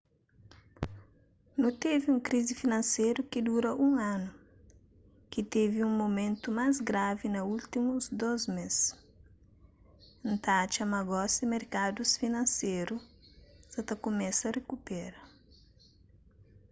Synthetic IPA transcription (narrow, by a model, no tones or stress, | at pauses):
nũt̪eviũŋkɾizifinɐ̃nsejɾukid̪uɾɐʔũŋãnu | kit̪eviũŋmomẽnt̪umajzɡɾavinɐult̪imuzd̪ozmes | nt̪at͡ʃɐmaɡɔsd̪imeɾkad̪usfinɐ̃nsejɾu | zɐt̪ɐkomɛsɐrekupɛɾɐ